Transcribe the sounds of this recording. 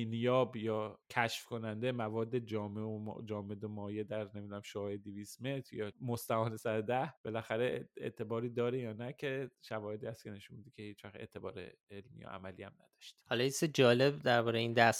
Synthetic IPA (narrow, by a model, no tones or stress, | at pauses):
nijɒːbjɒːcʰæʃfkʰo̞nænd̪emævɒːd̪ːe̞d͡ʒɒːmeo̰d͡ʒɒːmed̪omɒːjed̪æɾne̞mid̪unæmʃoɒːjed̪iviːst̪me̞t̪ʰɾjɒːmost̪æhɒːnesæɾd̪æhb̥e̞læxæɾeḛʔt̪ʰe̞bɒːɾiːd̪ɒːɾejɒːnæcʰe̞ʃævɒːhe̞d̪iːhæst̪̚cʰe̞ne̞ʃunmbid̪icʰe̞hiːt͡ʃʰvæxt̪ḛʔt̪ʰe̞bɒːɾḛelmḭjɒ̰ʔæ̰mælḭːæmnæ̰d̪̥ɒʃt̪i̥hɒlɒised͡ʒɒːle̞bd̪æɾbɒːɾejeiːnd̪æs